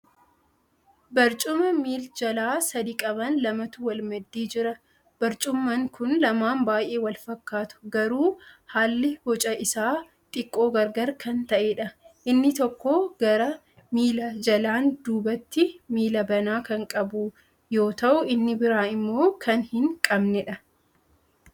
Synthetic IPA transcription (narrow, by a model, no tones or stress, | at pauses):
bɐɾt͡ʃʼʊmɐmiːld͡ʒɐlaːsɐd̪ikʼɐbɐnlɐmɐt̪ʊwɐlmɐd̪ːiːd͡ʒɪɾɐ | b̥ɐɾt͡ʃʼʊmːɐŋkʊnlɐmaːmbaːjʔe̞ːwɐlfɐkːaːt̪ʊ̥ɡɐɾuːhaːlːɪbɔt͡ʃʼɐʔɪsaː | t̪ʼɪkʼːo̞ːɡɐɾɡɐɾkʰɐnt̪ɐʔeːᶑɐʔɪnːɪt̪ɔkːoːɡ̥ɐɾɐ | miːlɐd͡ʒɐlaːnd̪uːbɐt̪ːɪmiːlɐbɐnaːkɐŋkʼɐbʊ | jo̞ːt̪ɐʔʊɪnːɪbɪɾaːɪmːo̞ːkʰɐnhɪŋkʼɐbnɛᶑɐ